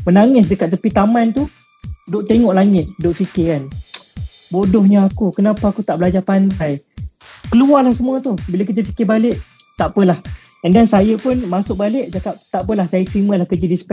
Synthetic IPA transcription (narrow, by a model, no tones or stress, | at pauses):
mənaŋɪs̬dəkat̪ːəpit̪amant̪u | dʊʔt̪eŋɔʔlaŋɪt̪̚dʊʔfikɪkan | bodɔhɲaakukənapaakut̪aʔbəlad͡ʒapandaj | kəluarlahsəmũət̪uhbiləkəd͡ʒəfi̥kɪbalɪʔ | t̪apəlah | əndansajəpʊnmasʊk̚balɪʔd͡ʒakap̚t̪aʔpəlahsajət̪ɾiməlahkəd͡ʒədispɛ